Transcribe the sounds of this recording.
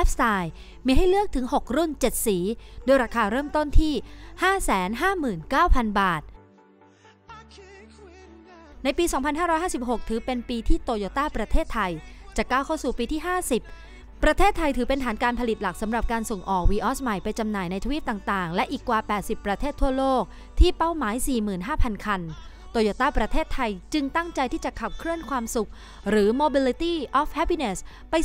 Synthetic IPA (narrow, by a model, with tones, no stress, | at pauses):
ɛ˦˥p̚saː˧j | miː˧ɦa˥˩jlɯ˥˩ək̚t̪ʰɯ˩˦ŋɦo˨˩k̚ɾu˥˩nt͡ɕe˨˩t̪̚siː˩˦doː˧jɾaː˧kʰaː˧ɾɤː˥˩mt̪o˥˩nt̪ʰiː˥˩haː˥˩sɛː˩˦nɦaː˥˩mɯː˨˩nkaː˥˩wpʰa˧nbaː˨˩t̪̚ | na˧jpiː˧sɔː˩˦ŋpʰa˧nɦaː˥ɾɔː˦˥jhaː˥˩si˨˩p̚ho˨˩k̚t̪ʰɯː˩˦pe˧npiː˧t̪ʰiː˥˩t̪oː˧joː˧t̪aː˥˩pɾa˧t̪ʰeː˥˩t̪ʰːa˧jt͡ɕaː˨˩kːaː˥˩wkʰa˥˩wsuː˨˩piː˧t̪ʰiː˥˩ɦaː˥˩si˨˩p̚ː | ɾa˧t̪ʰeː˥˩t̪ʰːa˧jt̪ʰɯː˩˦pe˧nt̪ʰaː˩˦nkaː˧npʰa˧li˨˩t̪̚la˨˩k̚sa˩˦mɾa˨˩p̚kaː˧nso˨˩ŋʔɔː˨˩k̚wiː˧ʔɔː˦˥sma˨˩jpa˧jt͡ɕa˧mnaː˨˩jna˧jt̪ʰːwiː˦˥˩p̪̚aː˨˩ŋt̪aː˨˩ŋlɛ˦˥ʔiː˨˩kːwaː˧pɛː˨˩t̪̚si˨˩pːɾa˧t̪ʰeː˥˩t̪ʰːu˥˩ɐloː˥˩k̚ | t̪ʰiː˥˩pa˥˩wmaː˨˩˦jsiː˨˩mɯː˨˩nɦaː˥˩pʰa˧nkʰa˧n | t̪oː˧joː˨˩t̪aː˥˩pɾa˧t̪ʰeː˥˩t̪ʰːa˧jt͡ɕɯ˧ŋt̪a˥˩ŋt͡ɕa˧jt̪ʰiː˥˩t͡ɕa˨˩kʰa˨˩p̚kʰɾɯ˥˩ənkʰwaː˧msu˨˩k̚ | ɾɯː˩˦moː˧bi˧li˧t̪iː˥˩ʔɔː˦˥f̚hɛ˦˥pi˧ne˨˩s | pa˧j